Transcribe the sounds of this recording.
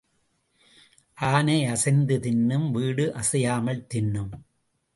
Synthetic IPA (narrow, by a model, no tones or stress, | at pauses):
ʔaːneːɐsɐɪnd̪ɯt̪ɪnːɯmʋiːɽɯʔɐsɐjaːmɐɭt̪ɪnːɯm